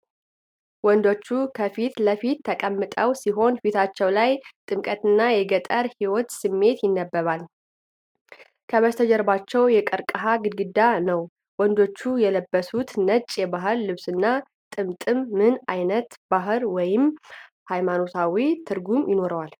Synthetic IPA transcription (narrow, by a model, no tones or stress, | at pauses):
wɔnd̪o̞t͡ʃːukʰəfit̪ləfit̪ʰːəkʼəmːɨt̪ʼəwsiɦo̞nfit̪ʰat͡ʃːɛwlajt̪ʼɨmkʼət̪ɨnːajɛɡət̪ʼəɾhiwɔt̪sɨmːe̞t̪jɪnːəbːəβal | kʰəməst̪ʰəd͡ʒɛɾbat͡ʃːɛwjɛkʼəɾkʼəɦaɡɨd̪ɡɨd̪anəw | wɔnd̪o̞t͡ʃːujɛləbːəsut̪nət͡ʃʼjɛbaɦɨlːɨβsɨnːa | t̪ʼɨmt̪ʼɨmːɨnajnət̪b̥aɦɨɾwɔjɪm | hajmano̞t̪ʰawit̪ʰɨɾɡumjɪno̞ɾəwal